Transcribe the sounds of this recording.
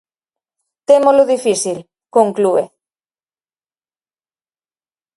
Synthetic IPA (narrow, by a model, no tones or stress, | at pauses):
t̪emoloðifisil | koŋklue